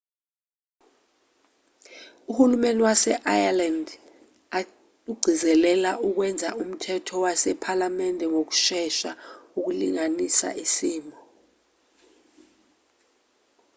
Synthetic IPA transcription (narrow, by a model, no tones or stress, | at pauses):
uhulumeniwasɛʔajaland | a | uɡ͡ǀʱizɛlɛlaʔuk̬wɛnd͡zʱaʔum̩tʰɛtʰɔwasɛpʰalamɛndʱɛŋok̬u̥ʃɛʃauk̬uliŋanisa̰ʔisiːmbʱɔ